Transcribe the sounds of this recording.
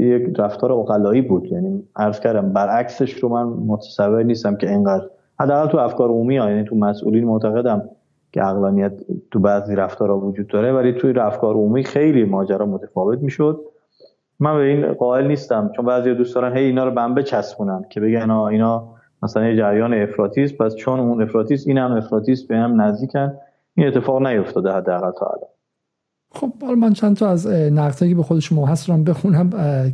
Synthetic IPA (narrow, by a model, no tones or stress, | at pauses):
jekɾæft̪ʰɒːɾeoɣælɒːiːbuːd̪jæniːæɾz̥cʰæɾd̪æmbæɾʔækseʃɾomænmot̪ʰæ̥sævːeɾniːst̪æmcʰeeŋɡæːd̪ɾ | hæd̪ːæːɣælt̪uæfkɒːɾumiɒːjæːnit̪ʰumæsʔṵːliːnmoʔt̪ʰæɣe̞d̪æm | kʰḛæɣlɒːnijæt̪t̪ːubæziːɾæft̪ʰɒːɾhɒvod͡ʒuːd̪ːɒːɾevælit̪ʰuɾæfkʰɒːɾomiːxe̞jliːmɒːd͡ʒæɾɒːmot̪ʰæfɒːve̞t̪̚miːʃod̪̚ | mænbe̞iːnɢɒːe̞lniːst̪æmt͡ʃʰonbæːzijɒːd̪usd̪ɒːɾænɦejiːnɒːɾɔbæmbet͡ʃʰæsbuːnænd̪̥cʰe̞be̞ɟænɒːiːnɒː | mæsælænjed͡ʒæɾjɒːneefɾɒːt̪ʰiːst̪̚pʰæst͡ʃʰonune̞fɾɒːt̪ʰiːst̪iːnhæme̞fɾɒːt̪ʰiːst̪beiːnhæmnæzd̪iːcʰænd̪ | iːne̞t̪ʰːe̞fɒːɣnæjo̞ft̪ʰɒːd̪ehæd̪ːeæɣælt̪ʰɒ̰æ̰lɒ̰n | xo̞b̥hɒlɒmænt͡ʃʰænt̪ʰɒæznæɣd̪hɒːjkʰebexod̪eʃomɔɦæsaæmbexunæm